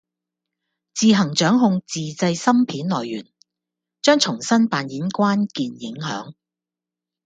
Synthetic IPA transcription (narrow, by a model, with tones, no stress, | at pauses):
t͡siː˨ɦɐ˨˩ŋt͡ʃœː˨˥ŋɦʊ˧ŋt͡siː˨t͡sɐ˧jsɐ˥mpʰiː˨˥nlɔː˨˩jːyː˨˩n | t͡ʃœː˥ŋt͡ʃʰʊ˨˩ŋsɐ˥npaː˨njiː˨˥nkʷaː˥nkiː˨njɪ˨˥ŋɦœ̰ː˨˥ŋ